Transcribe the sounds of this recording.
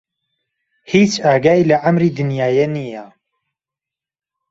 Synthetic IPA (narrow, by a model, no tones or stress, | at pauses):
hiːt͡ʃaːɡaːjlɐʕamɾiːd̪ɨnjaːjenija